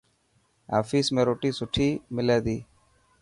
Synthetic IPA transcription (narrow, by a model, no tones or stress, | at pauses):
a̰ːfiːsmẽːɾoːʈiːsʊʈʰiːmɪleːd̪iː